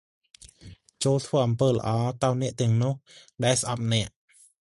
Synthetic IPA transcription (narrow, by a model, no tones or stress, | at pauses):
t͡ɕoːlt̪ʰʋəːʔɑmpəːlə̰̆ʔɑːt̪aɔnɛ̆əʔt̪ɛ̆əŋnʊ̆əhɗaɛlsʔɑp̚nɛ̆əʔ